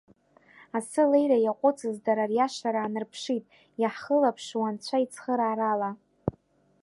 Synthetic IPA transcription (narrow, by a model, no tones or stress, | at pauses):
asɨlejrajaqʷʼʊt͡sʼɨzdaɾarjaʂaɾaːnɨrpʰʂitʼ | jaħχəlapʰʂwant͡ɕʷʰait͡sʰχəɾaːɾala